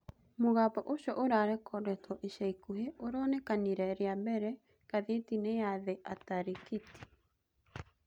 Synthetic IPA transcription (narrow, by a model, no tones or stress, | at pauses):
moɣapɔʔoʃɔʔoɾaɾɛkʰɔdɛtɔʔeʃɛikuheʔoɾɔːnɛkaniɾɛɾeabɛɾɛ | kaðetineaðeʔataɾekiti̥